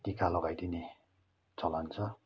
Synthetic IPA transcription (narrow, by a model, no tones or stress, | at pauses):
k̪ikalɔɡajd̪ine | t͡sʰʌlant͡sʰʌ